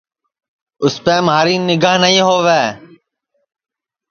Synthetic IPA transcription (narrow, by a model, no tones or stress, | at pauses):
ʊspẽːmɦaːɾiːnɪɡaːɦnəɦĩːɦoːʋeː